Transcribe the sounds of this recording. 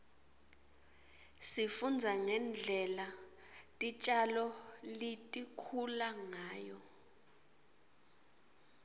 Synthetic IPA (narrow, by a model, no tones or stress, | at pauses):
sifund͡zʱaŋɛnd͡ɮʱɛla | tʼit͡ʃʼalɔlitʼikʰulaŋaːjɔ̰